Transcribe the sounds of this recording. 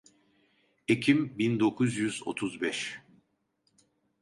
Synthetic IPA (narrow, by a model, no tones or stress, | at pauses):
ecʰimbind̪o̞kʰuzjyzo̞̰t̪ʰuzbɛʃ